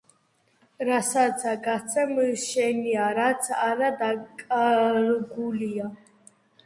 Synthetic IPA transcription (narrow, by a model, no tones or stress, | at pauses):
ɾasat̪sʰaɡat̪sʰɛmʃɛniaɾat̪sʰaɾad̪akʼaɾɡulia